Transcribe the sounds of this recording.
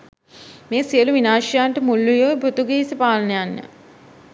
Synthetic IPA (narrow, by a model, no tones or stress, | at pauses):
meːsijəluʋinaːʃijaːɳʈəmulːujoːbɾut̪uɡeisipaːlənəjanːə̰